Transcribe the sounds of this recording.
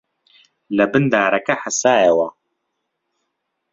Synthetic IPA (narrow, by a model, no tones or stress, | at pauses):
lɐbɨnd̪aːɾɐkɐħasaːjɛwɐ